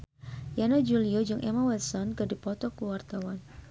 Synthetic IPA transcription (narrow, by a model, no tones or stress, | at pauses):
janad͡ʒuliɔd͡ʒʊŋʔɛmawɛt̪sɔnkɨrdipɔt̪ɔkuwart̪awan